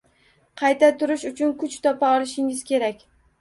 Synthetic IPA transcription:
qʰɑjt̪at̪ʰʊɾɪʃʊt͡ʃʰʊnkʰʊt͡ʃt̪ʰɒpʰaɒlɪʃɪŋɪz̥kʲe̞ɾakʲ

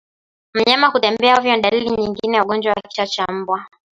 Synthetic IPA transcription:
m̩ɲamahutɛmbɛaɔvjɔnɗaliliɲiŋɡinɛwaɠɔnd͡ʒwawakki̥ʃat͡ʃam̩bwa

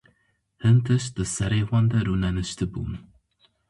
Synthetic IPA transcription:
hɨnt̪ʰɨʃd̪̥ɨsɛɾewɑnd̪ɐɾunɛnɨʃt̪ʰɨbṵm

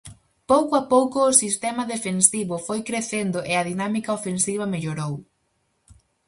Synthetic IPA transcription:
powkoapowkʊːsist̪ɛmɐðefensiβʊfojkɾeθend̪ʊʔeɐðinamikaofensiβ̞ɐmeʎoɾow

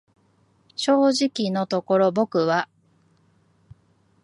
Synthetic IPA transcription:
ɕo̞ːʑikʲino̞t̪o̞ko̞ɾo̞bo̞kɯ̟βa

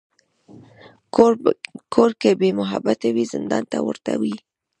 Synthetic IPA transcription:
kʰoɾkebemʊɦa̰bat̪awizɪnd̪ɑnt̪awəɾt̪awi

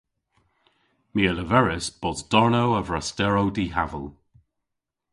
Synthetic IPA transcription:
miələvɛɹɪsb̥ɔzd̥ɔɹnowəvɹastɛɹowdiɦavəlˠ

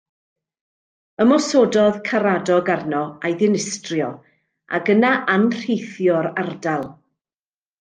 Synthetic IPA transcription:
əmɔsodɔðkʰaɾadɔɡarnɔajðɪnɪstrjɔ | a̰ɡənaʔanr̥ejθjɔɾardalˠ

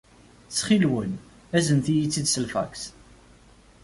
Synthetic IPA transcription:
t͡sːχilwən | æzənθijit͡sːid̪səlfæ̰ks

